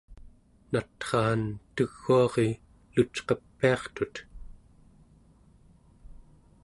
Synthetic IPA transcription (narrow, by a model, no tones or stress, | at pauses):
nat̪χɑːnt̪əɣːuɑʁe | lut͡ʃqʌpːiɑχt̪ut̪